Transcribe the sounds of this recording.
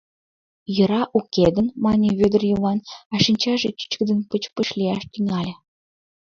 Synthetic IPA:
jə̆ɾɑʔuked̪ənmɑnʲeβød̪ərjəβɑnɑʃinʲt͡ɕɑʒet͡ɕi̥t͡ɕkəd̪ə̆npət͡ɕpə̆ʃlʲiɑʃt̪yŋɑlʲĕ

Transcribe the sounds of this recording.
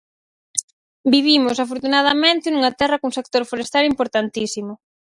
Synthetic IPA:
biβ̞imʊsafoɾt̪unað̞ɐmẽnt̪ɪnuŋat̪ɛrɐkuŋsek̚t̪oɾfoɾest̪alimpoɾt̪ant̪isimʊ

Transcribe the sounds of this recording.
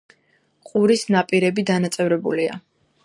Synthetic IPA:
qʼuɾisnapʼiɾɛbid̪anat̪sʼɛvɾɛbṵlia̰

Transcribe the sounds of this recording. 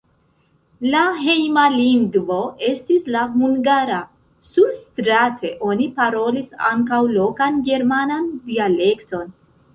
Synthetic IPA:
laɦejmaliŋɡvo̞e̞stislaɦuŋɡaɾa | substɾatʰe̞ʔo̞nipaɾo̞lisa̰ŋkawlo̞kanɡe̞ɾmanandiale̞kto̞n

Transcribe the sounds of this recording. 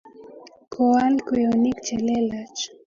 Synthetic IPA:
kʰoankeonikt͡ʃelelat͡ʃ

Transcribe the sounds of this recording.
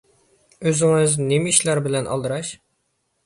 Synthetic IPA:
øzɪŋɪznemiʃlæɾbɪlɛnʔɑ̰lˠd̪əɾɑʃ

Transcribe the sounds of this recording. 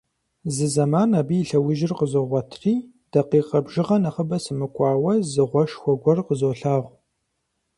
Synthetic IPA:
zɨzɐmaːnaːbiːɬɐwʊʒɪrqəzoːʁʷɐtʰriː | d̥ɐqiːqʼɐbʒɪʁɐnɐχəbɐsɨmɨkʷʼɑːwɐzɨʁʷɔʃxʷɔɡʷɔrqəzoːɬaːʁʷ

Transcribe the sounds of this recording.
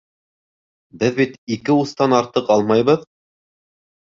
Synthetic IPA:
bɘðbit̪ikɘust̪ɑnɑɾt̪ɤqɑlˠmɑjβɤð

